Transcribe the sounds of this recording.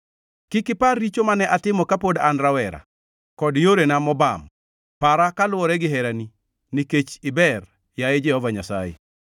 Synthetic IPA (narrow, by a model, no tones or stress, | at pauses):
kɪkɪparːit͡ʃomanɛʔatɪmɔkapodanɾawɛɾa̰ | kɔdjoɾenamɔba̰m | paɾakalʊwɔɾɛɡɪɦɛɾani | niket͡ʃɪbɛr | jajed͡ʒɛhɔvaɲasa̰jḛ